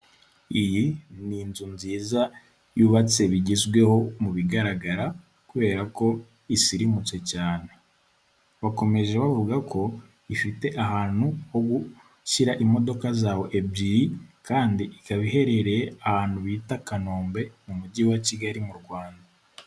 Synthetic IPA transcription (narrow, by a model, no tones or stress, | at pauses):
ijininzunziːza | juβat͡se̞βiɟizɡwe̞ho̞muβiɡaɾaɡaɾa | kuβe̞ːɾako̞ | isiɾimut͡se̞caːne̞ | βako̞me̞ʒe̞βavuɡakʰo̞ | ifite̞ʔahaːn̥huho̞ɡu | ʃiɾaʔimo̞do̞kazaːwo̞ʔe̞biikaːndiʔikaβihe̞ɾe̞ɾe̞ahaːnhuβiːtakano̞ːmbe̞mumuɟiwaciɡaɾimuɾɡwaːnda